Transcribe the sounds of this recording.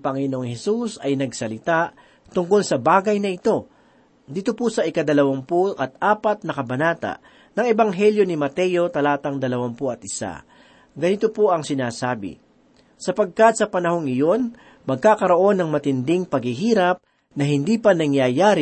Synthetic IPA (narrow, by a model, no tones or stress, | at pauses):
pɐŋɪnooŋhɛsusɐjnɐɡsɐlɪt̪aʔ | t̪ʊŋko̞lsɐbaːɡɐjnɐʔɪt̪o̞ | d̪iːt̪o̞pusɐʔɪkad̪ɐlɐwampoʔɐt̪̚ʔaːpɐt̪̚nɐkɐbɐnaːt̪a̰ʔ | nɐŋɛbɐŋɦɛljo̞nɪmɐt̪ɛjo̞t̪ɐlaːt̪ɐŋd̪ɐlɐwampoɐt̪̚ʔɪsa̰ | ɡɐnɪt̪o̞poʔɐŋsɪnaːsaːbɪ̰ | sɐpɐɡ̚kɐt̪̚sɐpɐnɐho̞ŋɪjo̞n | mɐɡ̚kaːkɐɾo̞ʔo̞nːɐŋmɐt̪ɪnd̪ɪŋpɐɡhiɦiːɾɐp̚ | nɐɦɪnd̪iːpɐnɐŋjajaːɾ